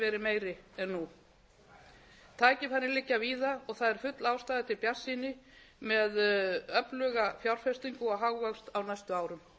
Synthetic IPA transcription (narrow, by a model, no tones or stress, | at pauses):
ɛːɾɪmeːjɾɪɛnːu | t̪ʰaːcɪfanːɪlɪcːaviːðaɔɣθaðɛɾ̥fʏt̪laːwst̪aːjðɪt̪ʰɪlpjḁsːinɪ | mɛðœplœɣafjawɾ̥fɛst̪iŋkʏɔɣɦaɣvakst̪awnajst̪ʏaːwɾʏm